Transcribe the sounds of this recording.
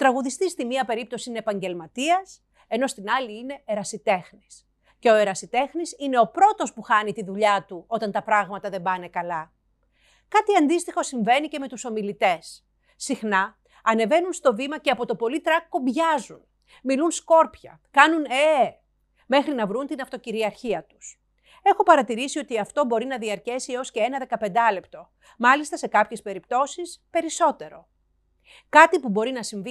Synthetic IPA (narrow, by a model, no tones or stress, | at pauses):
t̪ɾɐɣuðist̪ist̪imɲiɐpe̞ɾip̚t̪o̞siineeːpɐɲɟe̞lmɐt̪iɐs | e̞no̞st̪inɐliine̞ːɾɐsit̪e̞xnis | ce̞oe̞ɾɐsit̪e̞xnisine̞o̞pɾo̞t̪o̞spuxɐnit̪iðuʎɐt̪uo̞t̪ɐnt̪ɐpɾɐɣmɐt̪ɐðe̞mbɐne̞kɐlɐ | kɐt̪iɐnd̪ist̪ixo̞siɱve̞nice̞me̞t̪uso̞milit̪e̞sː | ixnɐ | ɐne̞ve̞nunst̪o̞vimɐceɐpo̞t̪o̞po̞lit̪ɾɐkːo̞bʝɐzun | milunsko̞ɾpçɐ̰ | kɐnune | me̞xɾinɐvɾunt̪inɐft̪o̞ciɾiɐɾçiɐt̪u̥s | e̞xo̞pɐɾɐt̪iɾisio̞t̪iɐft̪o̞bo̞ɾinɐðiɐɾcesieo̞sce̞enɐðe̞kɐpe̞nd̪ɐle̞pt̪o̞ | mɐlist̪ɐse̞kɐpçe̞spe̞ɾipt̪o̞sispe̞ɾiso̞t̪e̞ɾo̞̰ | kɐt̪ipubo̞ɾinɐsiɱvi